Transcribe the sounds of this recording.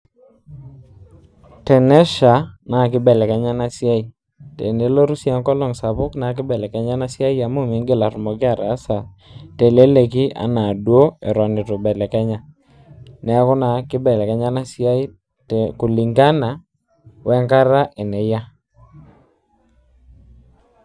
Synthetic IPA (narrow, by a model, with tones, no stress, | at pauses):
tɛ˨nɛ˦ʃa˨na˨kɪ˦bɛ˨lɛ˨kɛ˦ɲa˦na˦sja˦i˦ | tɛ̰˨ne˨˦lo˦ɾu˦sja˦ŋkɔ˦lɔ˨ŋsa˨pʊ˦kna˨k̬ɪ˦bɛ˨lɛ˨kɛ˦ɲa˦na˦sja˦i˦a˨mo˦mɪ˨˦ŋɡe˦la˨ɾʊ˨mɔ˨kɪ˦a˨ɾa˨˦sa˨ | te˨le˦le˨ki˦ʔa̰˨na˨dwo˦ɛ˨ɾɔ˨nɪ˨to˨bɛ˨lɛ˨kɛ˦ɲa˦ | nɛ˨˦kʊ˦na˨kɪ˦bɛ˨lɛ˨kɛ˦ɲa˦na˦sja˦i˦ | tku˨li˨ŋɡa˦na˨ | wʔɛ˦ŋka˦ɾa˦ʔe˨nɛ˨ja˦